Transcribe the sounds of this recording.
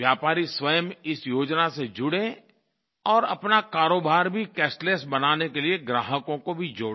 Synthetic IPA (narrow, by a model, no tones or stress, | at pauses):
jaːpaːɾiswəjəmɪsjoːd͡ʒnased͡ʒʊɽẽ | ɔːɾɐpnakaːɾoːbʱaːɾbʱikɛːsʈlesbɐnaːnekelieɡɾaːɦəkõkobʱid͡ʒo̰ː